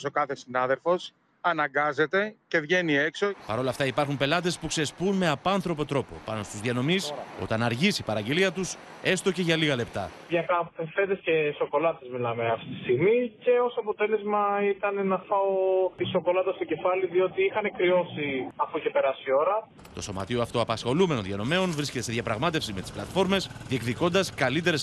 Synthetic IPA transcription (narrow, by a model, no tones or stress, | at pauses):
so̞kɐθe̞sinɐðe̞lfo̞s | ɐnɐŋɡɐze̞t̪e̞ce̞vʝe̞nie̞kso̞pɐ̰ɾo̞lɐft̪ɐipɐɾxumpe̞lɐt̪̬e̞spuksespunme̞ɐpɐnθɾo̞pot̪ɾo̞po̞̰pɐno̞st̪uzðiɐno̞miso̞̰t̪ɐnɐɾʝisipɐɾɐɲɟeliɐt̪us | e̞st̪o̞ce̞ʝɐliɣɐle̞pt̪ɐ̰ | ɲɐkɐpfefe̞nd̪esce̞so̞ko̞lɐt̪ezmilɐmeɐft̪it̪i̥st̪iɣmice̞o̞soɐpo̞t̪e̞le̞zmɐit̪ɐne̞nɐfɐot̪iso̞ko̞lɐt̪ɐst̪oce̞fɐliðio̞t̪iixɐne̞kɾio̞siɐfuce̞pe̞ɾɐsio̞ɾɐ | t̪o̞so̞mɐ̰t̪ioɐft̪o̞ɐpɐsxo̞lumeno̞nðiɐno̞me̞o̞nvɾisce̞t̪eseðʝɐpɾɐɣmɐt̪e̞fsizme̞t̪i̥splɐt̪fo̞ɾme̞sðiekðiko̞nd̪ɐskɐlit̪e̞ɾes